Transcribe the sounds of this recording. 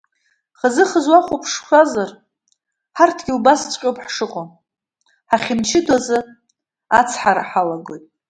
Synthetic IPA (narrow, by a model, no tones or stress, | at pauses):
χəzɨχəzwaχʷupʰʂʃʷazar | ħartʰɡ̥ʲɪubast͡sʷʼqʲʼopʰħʂɨqʼo | ħaχʲɪmt͡ʃʰɪdazɨ | at͡sʰħaɾa̰ħalaɡojtʼ